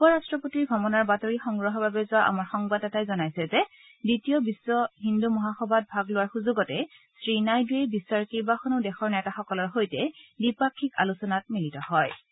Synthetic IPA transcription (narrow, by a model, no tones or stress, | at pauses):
pɔɹastɹɔpotiɹɡʱɔmɔnaɹbatoɹixɔŋɡɹɔɦɔbabɛzʊaʔa̰maɹxɔŋbadɛtajzɔnajsɛzɛ | ditijɔbisːɔɦindumɔɦaxɔbʱat̚bʱaɡlʊwaɹxuzuɡɔtɛsɹinajduebisaɹkibaxɔnodɛxɔɹnɛtaxɔkɔlɔɹxojtɛdipakʰːika̰lusɔnat̚militɔhɔj